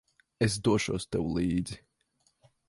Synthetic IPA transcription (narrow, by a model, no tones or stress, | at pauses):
es̬d̪uɔʃuɔst̪ɛwulˠiːd̪zi